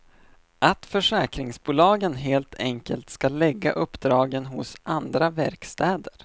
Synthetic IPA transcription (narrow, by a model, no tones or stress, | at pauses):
ʔat̪fœʂɛːkɾɪŋsbuːlɑːɡənɦeːlt̪ʰɛŋkəlt̪skalɛɡːa̰ʔɵpːd̪ɾɑːɡənɦʊsand̪ɾavæɾkst̪ɛːd̪əɾ